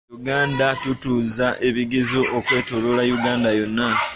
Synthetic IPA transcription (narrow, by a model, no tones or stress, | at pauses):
juɡaːndatutuːzaʔe̞βiɡizoʔokwe̞ːtololajuɡaːndajo̞nːa